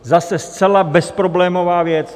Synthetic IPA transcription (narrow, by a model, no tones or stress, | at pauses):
zasɛst͡sɛlabɛspɾoblɛːmovaːvjɛt͡s